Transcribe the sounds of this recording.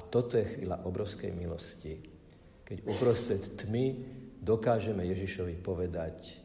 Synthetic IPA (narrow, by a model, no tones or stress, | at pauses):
at̪ɔt̪ɔjɛxʋiːla̰ʔɔbɾɔʊskɛ̰jmilɔsci | kɛɟupɾɔst̪ɾɛt̪ːmid̪ɔkaːʒɛmɛjɛʒiʃɔʋipɔʋɛd̪ac